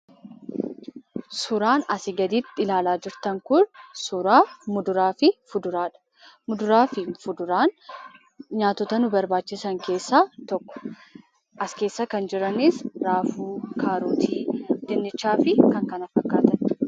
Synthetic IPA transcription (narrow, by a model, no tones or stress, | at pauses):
sʊɾaːnɐsɪɡɐd̪iːt̪ːɪɪlaːlaːd͡ʒɪɾt̪ɐŋkʊnsʊɾaːmʊd̪ʊɾaːfɪfʊd̪ʊɾaːᶑɐ̥ | mʊd̪ʊɾaːfɪfʊd̪ʊɾaːn | ɲaːt̪ːɔt̪ɐnʊbɐɾbaːt͡ʃːɪsɐŋke̞ːsːaːt̪ɔkːɔ̥ | ʔɐske̞ːsːɐkɐnd͡ʒɪɾɐniːsɾaːfuːkʰaːɾuːt̪ʰiːd̪̥ɪnːɪt͡ʃːaːfɪkɐŋkɐnɐfːɐkːaːt̪ɐn